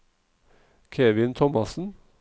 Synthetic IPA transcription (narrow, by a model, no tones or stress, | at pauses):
kʰeːʋɪnt̪ʰɔmɑsn̩